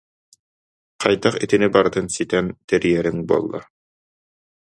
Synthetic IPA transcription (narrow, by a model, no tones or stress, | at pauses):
qɑjd̪aχḭt̪inibaɾɯt̪ɯnsit̪ɛnt̪ɛɾijɛɾiŋbuɔ̰lˠːa̰